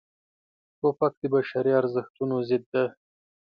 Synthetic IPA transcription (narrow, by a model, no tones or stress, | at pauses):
popak̚d̪əbaʃaɾiaɾzəxt̪unozɪd̪ːa